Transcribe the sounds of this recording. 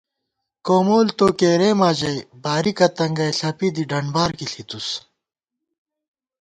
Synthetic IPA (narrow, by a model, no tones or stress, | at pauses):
koːmoːlt̪oːkeːɾeːmaːd͡ʑɐjbaːɾikɐt̪ɐŋɡɐjɬɐpid̪iɖɐɳbaːɾkiɬit̪us